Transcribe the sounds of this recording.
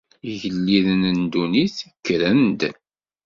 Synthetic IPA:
ʝəlːiðənənd̪uniθkːɾənd̪

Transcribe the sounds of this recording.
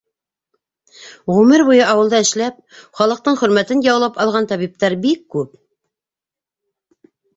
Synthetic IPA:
ʁʉmɘɾβujɤʔɑwɤ̆lˠd̪ɑɘ̆ʃlæp̚χɑlˠɤ̆q̚t̪ɤɴχɵ̆ɾmæt̪ɘnjɑwlˠɑpɑlˠʁɑnt̪ɑβip̚t̪ɑɾbikːʉp̚

